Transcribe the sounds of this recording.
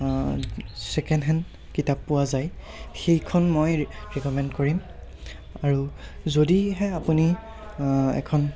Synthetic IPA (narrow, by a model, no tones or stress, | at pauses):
sɛkɛndɦɛn | kitapːʊwazaj | xejkʰɔnmojɹɛkɔmɛntkoɹim | aɹu | zodiɦɛapuni | ɛ̰kʰɔn